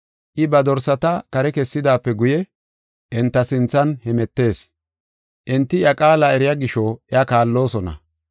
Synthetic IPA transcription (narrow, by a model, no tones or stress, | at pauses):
ʔɪbɐd̪ɔɾsɐt̪ɐkɐɾɛkɛsːɪd̪aːpːɛɡʊjɛ | ʔɪnt̪ːɐsɪnt͡sːɐnhɛmɛt̪ːe̞ːs | ʔɪnt̪ːɪjɐkʼaːlɐɛɾɪjɐɡɪʃɔɛɐkaːlːo̞ːsɔnɐ̰